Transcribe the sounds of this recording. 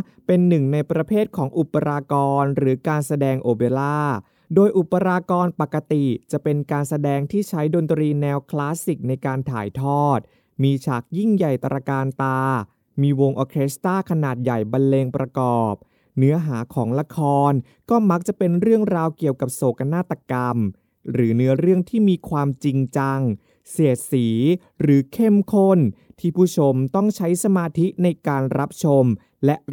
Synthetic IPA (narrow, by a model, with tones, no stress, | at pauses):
pe˧nːɯ˨˩ŋna˧jpɾa˧pʰeː˥˩t̪̚kʰɔː˩˦ŋʔu˨˩pːa˧ɾaː˧kɔː˧nɾɯː˩˦kaː˧nsa˧dɛː˧ŋʔoː˧beː˧laː˥˩ | doː˧jʔu˨˩pːa˧ɾaː˧kɔː˧npa˨˩kːa˧t̪i˨˩t͡ɕa˨˩pe˧nkaː˧nsa˧dɛː˧ŋt̪ʰiː˥˩t͡ɕʰa˦˥jdo˧nt̪ɾiː˧nɛː˧wkʰlaː˦˥si˨˩k̚na˧jkaː˧nt̪ʰa̰ː˨˩˦jt̪ʰɔː˥˩t̪̚ | miː˧t͡ɕʰaː˨˩k̚ji˥˩ŋja˨˩jt̪ɾʔaː˧kaː˧nt̪aː˧ | miː˧wo˧ŋʔoː˧kʰeː˦˥st̪aː˥˩kʰa˧naː˨˩t̪̚ja˨˩jba˧nleː˧ŋpɾʔa˧kɔː˨˩p̚ | nɯ˦˥ɐɦaː˩˦kʰɔː˩˦ŋla˧kʰɔː˧n | kɔː˥˩ma˦˥k̚t͡ɕa˨˩pe˧nɾɯ˥˩əŋɾaː˧wki˨˩əwka˨˩p̚soː˨˩k̚ʔa˧naː˥˩t̪ːa˧ka˧m | ɾɯː˩˦nɯ˦˥ɐɾɯ˥˩əŋt̪ʰiː˥˩miː˧kʰwaː˧mt͡ɕi˧ŋt͡ɕa˧ŋ | si˨˩ət̪̚siː˩˦ | ɾɯː˩˦kʰe˥˩mkʰo˥˩nt̪ʰiː˥˩pʰuː˥˩t͡ɕʰo˧mt̪ɔ˥˩ŋt͡ɕʰa˦˥jsa˧maː˧t̪ʰi˦˥na˧jkaː˧nɾa˦˥p̚t͡ɕʰo˧m | lɛ˦˥ʔ